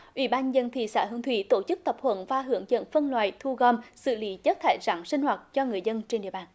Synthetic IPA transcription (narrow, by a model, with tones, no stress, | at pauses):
ʔwḭ˧˩ɓaː˧nzə˧nt̪ʰḭ˧˨sa̰ː˧˩ɦɨ˧əŋt̪ʰwḭ˧˩t̪o˧˩t͡ɕɨ˦˥k̚t̪ə˨˩p̚hʰwə̰˧˥nvaː˧˩ɦɨ˧˩˦əŋzə̰˧˥nfə˧nlwaː˨jt̪ʰu˧ɣɔ˧msɨ̰˧˨lḭ˧˨˦t͡ɕə˦˥t̚t̪ʰa̰ː˧˩jzaː˧˩˦ŋsï˧ŋ̟hwaː˨˩t̚t͡ɕɔ˧ŋɨ˨˩əjzə˧nt͡ɕe˧nɗḭ˧˨əɓaː˨˩n